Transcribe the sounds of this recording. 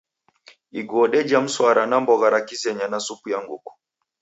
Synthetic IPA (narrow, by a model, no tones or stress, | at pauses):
iɡɔːɗɛd͡ʒam̩swaɾanambɔɣaɾakisɛɲanasupujaŋɡokɔ̥